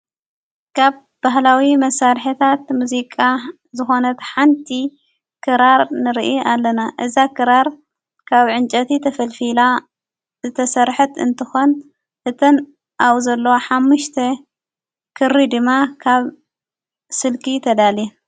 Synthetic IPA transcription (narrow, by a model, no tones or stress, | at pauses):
kʰaβ | b̥aɦlawimɐsaɾħit̪ʰat̪muzikʼa | zɨxo̞nɐt̪ħant̪ʰi | kʰɨɾaɾnɨɾʔialːɐnaʔɨzakʰɨɾaɾ | kʰaβʕɨnt͡ʃʼɐt̪ʰit̪ʰɐfɐlfila | zɨt̪ʰɐsɐɾħɨt̪ɨ̰nt̪ʰɨxon | ʔɨt̪ʰɐn | ʔawzɐlːowoħamːuʃt̪ʰɐ | kʰɨɾid̪ɨmːakʰaβ | sɨlkʰit̪ʰɐd̪ali